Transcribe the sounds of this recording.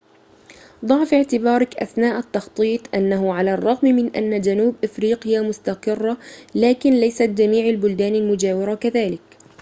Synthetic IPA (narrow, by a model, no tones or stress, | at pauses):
d̪ˤɑʕfɪʕt̪ɪbɑːɾˤɑkʔa̰θnaːʔat̪ːɑxt̪ˤiːt̪ˤʔanːaɦʊʕalarˤːɑɣmmɪnʔa̰nːad͡ʒanuːbʔafɾiːqɪjamʊst̪aqɨrːalaːkɪnlajsat̪̚d͡ʒamiːʕalbʊld̪aːnalmʊd͡ʒaːwɪɾakaðaːlɪk